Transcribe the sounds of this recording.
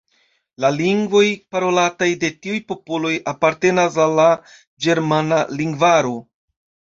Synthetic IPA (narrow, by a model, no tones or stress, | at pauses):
laliŋɡvo̞jpaɾo̞latajde̞tiujpo̞po̞lo̞japaɾte̞nas̬alːa | d͡ʒe̞ɾmanaliŋɡvaɾo̞